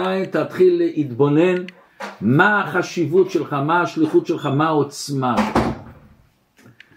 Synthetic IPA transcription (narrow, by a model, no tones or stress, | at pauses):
aint̪at̪χilːeʔit̪bo̞ne̞n | maχaʃivutʃelχamaːʃliχutʃelχamaot͡sma